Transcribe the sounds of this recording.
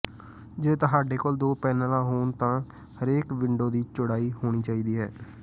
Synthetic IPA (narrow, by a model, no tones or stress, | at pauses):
d͡ʒeːt̪əɦaːɖeːkold̪oːpɛːnəlãːɦoːnt̪ãː | həɾeːkʋɪɳɖoːd̪iːt͡ʃʊɽaːiːhoːɽ̃iːt͡ʃaːiːd̪iːɦɛ̰ː